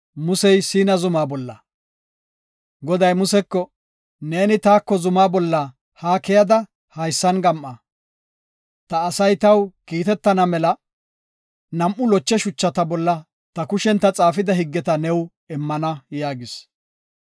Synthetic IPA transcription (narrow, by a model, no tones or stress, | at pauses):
mʊsɛjsiːnɐzʊmaːbɔlːɐ̰ | ɡɔd̪ɐjmʊsɛkːɔ | neːnɪt̪aːkːɔzʊmaːbɔlːɐ | haːkɛjɐd̪ɐ | hɐjsːɐnɡɐmʔːɐ | t̪ɐːsɐjt̪ɐwkiːt̪ɛt̪ːɐnɐmɛlɐ | nɐmʔʊlɔt͡ʃːɛʃʊt͡ʃːɐt̪ɐbɔlːɐ | t̪ɐkʊʃɛnt̪ːɐt͡sʼaːfɪd̪ɐɦɪɡːɛt̪ɐnɛw | ɛmːɐnɐjaːɡɪs